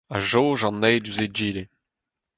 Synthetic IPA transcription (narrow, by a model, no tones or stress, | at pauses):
aʒoːʒɑ̃nːɛjdyzed͡ʒiːle